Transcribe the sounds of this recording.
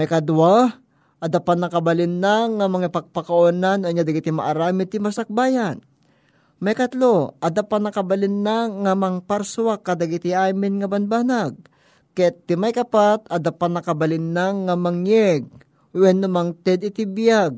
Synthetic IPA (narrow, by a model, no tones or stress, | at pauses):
mɐjkɐd̪uwa | ʔɐd̪apat̪nɐkɐbɐlɪnːaŋɐmɐŋapɐɡ̚pɐkɐʔonanaɲad̪ɐɡɪt̪ɪmɐ̰ʔaɾaːmɪt̪ɪmɐsɐk̚baːjan | mɐjkɐt̪loʔɐd̪apat̪nɐkɐbɐlɪnːaŋɐmɐŋpaɾsʊwakːɐd̪ɐɡɪt̪ɪaːmɪnŋɐbɐnbaːnaɡ̚ | kɛɪmajkɐpat̪ɐd̪apat̪nɐkɐbɐlɪnːaŋamɐŋjɛɡ̚ | wɛnːʊmaŋt̪ɛd̪ɪt̪ɪbjaɡ̚